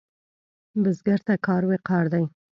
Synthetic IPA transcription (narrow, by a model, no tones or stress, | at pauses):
bɪzɡaɾt̪akɑɾweqɑɾd̪aj